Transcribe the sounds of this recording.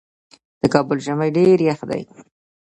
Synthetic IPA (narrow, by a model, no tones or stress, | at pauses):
d̪̥əkɑbʊlʒamajɖeɾjaxd̪a̰j